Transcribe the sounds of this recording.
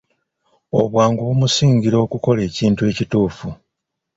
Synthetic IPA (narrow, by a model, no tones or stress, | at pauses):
o̞̰βwaːŋɡuβumusiːɲɟiɾo̞ːkuko̞le̞ːciːntue̞ːcituːfu